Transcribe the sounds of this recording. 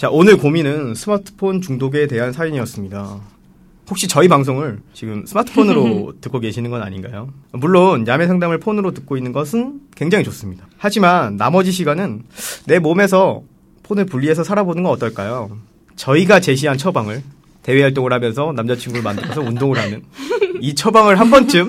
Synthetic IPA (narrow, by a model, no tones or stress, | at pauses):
t͡ɕaʔonɯɭkominɯnsʰɯmatʰɯ̥pʰont͡ɕuŋdoɡe̞te̞ɦansʰaiɲiʌs͈ɯmɲida | hok̚ɕ͈it͡ɕʌipaŋs̬ʰoŋɯɭt͡ɕiɡɯmsʰɯmatʰɯ̥pʰonɯɾotɯk͈oke̞ɕʰinɯnɡʌna̰ɲinɡajomuɭːonjame̞sʰaŋdamɯɭpʰonɯɾotɯk̚k͈oinːɯnɡʌsʰɯnkwe̞ŋd͡ʑaŋit͡ɕos͈ɯmɲidahad͡ʑimanːamʌd͡ʑiɕ̬ʰiɡanɯnːe̞mome̞s̬ʰʌ | pʰonɯɭpuʎːie̞s̬ʰʌsʰaɾabonɯnɡʌʌt͈ʌɭk͈ajo | t͡ɕʌiɡat͡ɕe̞ɕ̬ʰiɦant͡ɕʰʌbaŋɯɭ | te̞weɦaɭt̬͈oŋɯɭhamjʌns̬ʰʌnamd͡ʑat͡ɕʰiŋɡuɾɯɭmandɯɭɡʌsʰʌundoŋɯɭɦanɯnit͡ɕʰʌbaŋɯɭɦambʌnt͡ɕ͈ɯm